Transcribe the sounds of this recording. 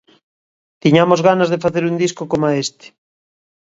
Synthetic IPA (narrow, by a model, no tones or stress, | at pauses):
t̪iɲamozɣanazðefaθeɾund̪iskokomaest̪e̥